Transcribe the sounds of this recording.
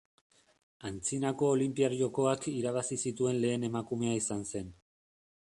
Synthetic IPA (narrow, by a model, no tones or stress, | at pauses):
ant͡sinako̞ːlimpiaɾʝo̞ko̞akiɾaβ̞asisit̪ue̞nle̞ːne̞makume̞aisanse̞n